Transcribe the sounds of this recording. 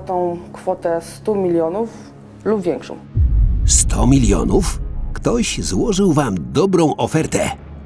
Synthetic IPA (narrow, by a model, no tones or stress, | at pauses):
t̪ɔ̃w̃kfɔt̪ɛst̪umʲilʲjɔnuf | lubvʲjɛŋkʂɔ̰̃w̃st̪ʰɔ̰mʲilʲjɔ̰nufkt̪ɔʑzwɔʐɘwvamd̪ɔbɾɔ̃w̃ʔɔfɛɾt̪ɛ̰